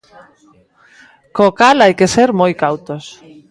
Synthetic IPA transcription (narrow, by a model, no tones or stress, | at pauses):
kokalajkeseɾmojkawt̪os